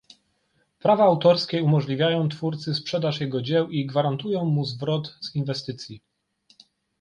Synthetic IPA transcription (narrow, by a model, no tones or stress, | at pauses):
pɾavaːwt̪ɔɾskʲɛumɔʐlʲivʲjajɔ̃w̃t̪fuɾt̪sɘspʂɛd̪aʂjɛɡɔd͡ʑɛwiɡvaɾant̪ujɔ̃w̃muzvɾɔt̪z̥invɛst̪ɘt̪sʲji